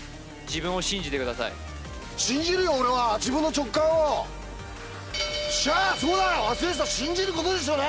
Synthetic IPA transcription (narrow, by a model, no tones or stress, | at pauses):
d͡ʑibɯ̃ɰ̃o̞ɕĩɲ̟d͡ʑit̪ekɯ̟d̪asa̰ḭ | ɕĩɲd͡ʑiɾɯ̟joːɾeβad͡ʑibɯ̃nːo̞t͡ɕo̞kːãɰ̃o | ɕaso̞ːd̪ajoβasɨɾes̬aɕĩɲ̟d͡ʑiɾɯ̟ko̞t̪o̞d̪e̞ɕ̬o̞ːne